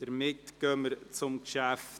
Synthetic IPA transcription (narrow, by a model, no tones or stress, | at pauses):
d̥əɾmɪtɡ̥œməɾt͡sʊmkʃæf